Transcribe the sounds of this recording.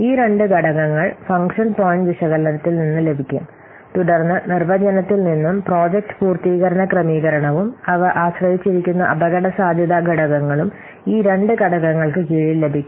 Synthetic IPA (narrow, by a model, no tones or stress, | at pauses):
iːɾe̞ɳɖɨɡʱɐɽɐɣɐŋːɐɭfɐŋɡʂɐnpoːjiɳɖʋiʂɐɣɐlːɐnɐt̪ːilninːɨle̞bʱikʲːum | t̪uɽɐrnːɨnerʋɐd͡ʑɐnɐt̪ːilninːumpro̞ːd͡ʑek̚ʈɨ̥puːrt̪iːɣɐɾɐɳɐkrɐmiːɣɐɾɐɳɐʋumɐʋɐʔaːɕrɐʋit͡ɕːiɾikʲːunːɐʔɐbɐɣɐɽɐsaːd̪ʱjɐðaɡʱɐɽɐɣɐŋːɐɭum | iːɾe̞ɳɖɨɡɐɽɐɣɐŋːɐɭkɨkiːɻilːe̞bʱikʲːu